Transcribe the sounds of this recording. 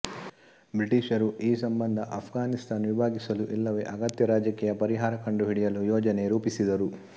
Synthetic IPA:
bɾiʈiːʃɐɾuʔiːsɐmbɐnd̪ʱɐʔɐpʰɡaːnist̪ʰaːnʋibʱaːɡisɐluʔilːɐʋḛːʔɐɡɐt̪jɐɾaːd͡ʒɐkiːjɐpɐɾiɦaːɾɐkɐɳɖuɦiɽijɐlujɔːd͡ʒɐne̞ɾuːpisid̪ɐɾu

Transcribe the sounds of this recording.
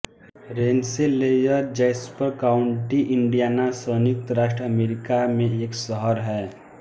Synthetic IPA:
ɾeːnselejəɾd͡ʒəɪspəɾkaʊɳʈiʔɪɳɖijanasəːnik̚t̪ɾaːʃʈɾəəmeːɾɪkamẽeːksəɦəɾɦɛː

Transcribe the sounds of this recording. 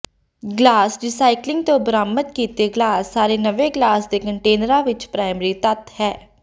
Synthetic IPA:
ɡlaːsɾɪsaːɪklɪ̃ŋɡ̚t̪õːbəɾaːmət̪kiːt̪eːɡlaːsːaːɾeːnəʋeːɡlaːsd̪eːkəɳʈeːnəɾãːʋɪt͡ʃpɾaːɪmɾiːt̪ət̪hɛː

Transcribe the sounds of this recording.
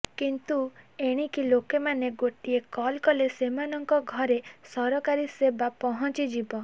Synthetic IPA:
kint̪ueɽ̃ikilokemaneɡoʈiekɔlkɔlesemanɔŋkɔɡʱɔɾesɔɾɔkaɾisebapɔɦɔt͡ʃid͡ʒibɔ

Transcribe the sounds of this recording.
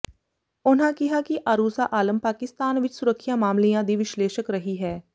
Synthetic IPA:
ʊnɦãkɪɦakiʔaɾuːsaʔaːlə̃mpaːkɪst̪aːnʋɪt͡ʃsʊɾəkʰʃamaːmlijãd̪iʋɪʃleːʃəkɾɐɦiɦɛː

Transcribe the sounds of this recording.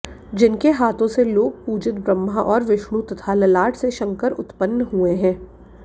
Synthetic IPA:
d͡ʒɪnkeɦaːt̪õseloːɡ̚puːd͡ʒɪt̪̚bɾəmːaʔɔːɾʋɪʃɳũt̪ɐt̪ʰalɐlaːʈʰseʃɐ̃ŋkəɾʊ̰t̪pənːɦueɦɛ̃ː

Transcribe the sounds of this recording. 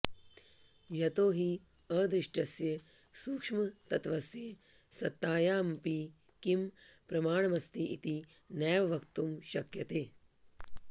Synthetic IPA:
jɐt̪oːɦi | ɐːd̪ɾɪʂʈɐsjɐsuːkʂmɐt̪ɐt̪ʋɐsjesɐt̪ːaːjaːmpi | kimpɾɐmaːɳ̃ɐmɐst̪iʔit̪inɛːʋɐʋɐkt̪umʃɐkjɐt̪eː

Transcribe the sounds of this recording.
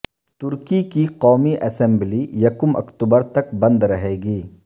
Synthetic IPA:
t̪ʊɾkikiqɔːmiʔɛːsɛ̃mblijɐkʊmɐ̰kt̪ubəɾt̪ɐkbɐ̃nd̪ɾɐɦeːɡiː

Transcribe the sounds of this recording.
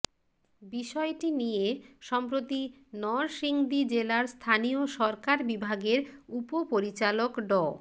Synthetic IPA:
biʃɔeʈinijeʃɔmpɾot̪i | nɔɾʃiŋd̪id͡ʑelaɾst̪ʰanioʃɔɾkaɾbibʱaɡeɾupopoɾit͡ɕalokɖɔ

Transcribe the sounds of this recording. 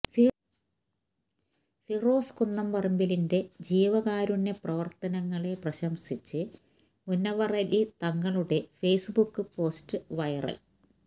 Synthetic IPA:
firo̞ːskunːɐmpɐrɐmbilinde̞d͡ʑiːʋɐɣaːɾunːe̞prɐʋɐrt̪ɐnɐŋːɐɭe̞prɐɕɐmsit͡ɕːɨ | munːɐʋɐrɐlit̪ɐŋːɐɭuɽe̞feːsɨbukːɨpo̞ːstɨʋɐjɐrɐ̰l

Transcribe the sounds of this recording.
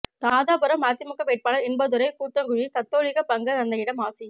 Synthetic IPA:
t̪aːðaːpɯɾɐmːaːt̪ːɪmʊkːɐʋeːʈ̚paːnɐɾɪɳbɐðɯɾɐɪkuːt̪ːɐŋɡʊɻit̪ɐt̪ːoːɻɪɣɐpɐŋɡɐt̪ɐnd̪ɐjɪɽɐmaːsɪ

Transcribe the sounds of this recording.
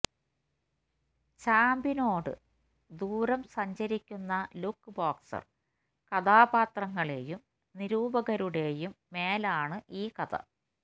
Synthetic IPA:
t͡ɕaːmbino̞ːɽɨ̰ | d̪uːɾɐmsɐɲd͡ʑɐɾikʲːunːɐlukːɨboːksɐ̰r | kɐd̪aːbaːt̪rɐŋːɐɭe̞jum | niɾuːbɐɣɐɾuɽe̞jumːe̞ːlaːɳɨʔiːkɐd̪ɐ̰

